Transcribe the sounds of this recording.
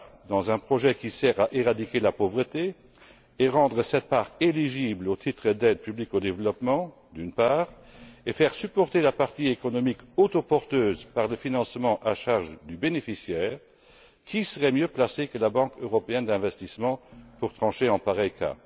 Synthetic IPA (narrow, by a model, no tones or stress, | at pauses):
d̪ɑ̃zɛ̃pχɔʒɛkisɛʁaʔeʁad̪ikelapovʁət̪e | eʁɑ̃d̪ʁəsɛt̪̚paːʁeliʒiblot̪ʰit̪χəd̪ɛd̪̚pyblikod̪evlɔpmɑ̃ | d̪ynpaːʁ | efɛʁsypɔʁt̪elapaʁt̪iekɔnɔmikot̪opɔʁt̪øːzpaʁləfinɑ̃smɑ̃ʔaʃaʁʒd̪ybenefisjɛːʁ | kʰisəʁɛmjøplasekəlabɑ̃køʁɔpeɛnd̪ɛ̃vɛst̪ismɑ̃puʁt̪χɑ̃ʃeɑ̃paʁɛjkʰa̰